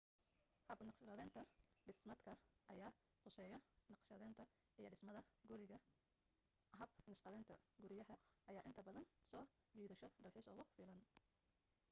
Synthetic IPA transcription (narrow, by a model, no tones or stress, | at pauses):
hɐbnɑʃɑðɛːnt̪ʰɐɖɪsmɐd̪kʰɐʔɐjaː | qʰʊsɛːjɐnɑqʃɐðɛnt̪ʰɐ | ʔijɔɖɪsmɐðɐɡʊɾɪɣɐ | ɦɐbnɐʃqɐðɛːnt̪ʰɐɡʊɾɪjɐɦɐʔɐjaːʔɪnt̪ʰɐbɐðɐnsɔː | wiːðɐʃɔd̪ɐlħiːsɔ̰ːɣʊfiːlɐn